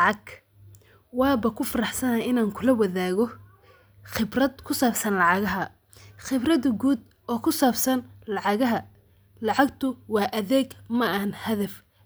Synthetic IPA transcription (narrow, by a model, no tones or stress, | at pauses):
lɑʕɑɡ | wɑːbɐkʰʊfɐɾɑħsɐnaːɪnaːŋkʰʊlɐwɐðaːɣɔ | χɪbrɐd̪̚kʰʊsaːbsɐnlɑʕɑɣɐɦɐ | χɪbrɐðɡuːd̪̚ | ɔːkʰʊsaːbsɐnlɑʕɑɣɐɦɐ | lɑʕɑɡt̪ʰʊwɑːʔɐðɛːɡmɐʔɐhɐnhɐðɐf